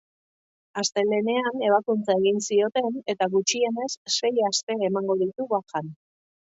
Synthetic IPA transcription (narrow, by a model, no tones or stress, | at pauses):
ast̪e̞le̞ne̞ane̞β̞akunt͡sae̞ɣinsio̞t̪e̞ne̞t̪aɣut͡ʃie̞ne̞sːe̞jast̪e̞ːmaŋɡo̞ð̞it̪uɣakan